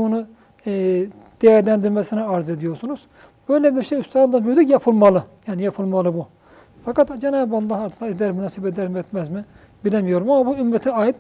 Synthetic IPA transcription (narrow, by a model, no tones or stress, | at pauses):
unu | d̪̥ejæɾlʲænd̪iɾmɛsiniaɾze̞d̪ijo̞ɾsunuz̥ | b̥ø̞jlʲɛbiɾʃejyst̪ʰaːnd̪anbyɾd̪ycjɑpʰɯlˠmɑlˠɯjaːnijɑpʰɯlˠmɑlˠɯbu | fɑkat̪d͡ʒenaːbbalˠːɑɦɑɾt̪ʰlaid̪æɾmynasibed̪æɾmɛt̪mæzmi | bilʲɛmijo̞ɾumamɑbuymɾɛt̪ʰiaːjit̪